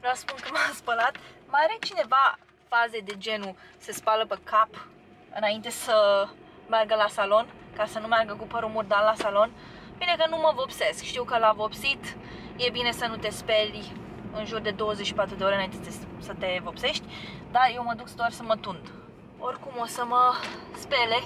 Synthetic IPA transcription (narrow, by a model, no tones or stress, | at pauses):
vɾɛwspunkəmaspəlat̪məaɾet͡ʃine̞va | faze̞d̪e̞d͡ʒe̞nusespaləpekap | ɨnaint̪e̞sə | marɡəlasalo̞nkasənumearɡəkupəɾumurd̪alːasalo̞npinekənuməvopse̞skʃt̪iwkəlavo̞psit̪ | je̞bine̞sənut̪e̞spel | ɨnʒurd̪e̞d̪o̞wəzeʃipat̪ɾud̪eo̞ɾeɨnaint̪et̪esət̪e̞vopse̞ʃt̪ʲd̪ajewməd̪uksd̪oarsəmət̪und̪ | orkumosəməspe̞le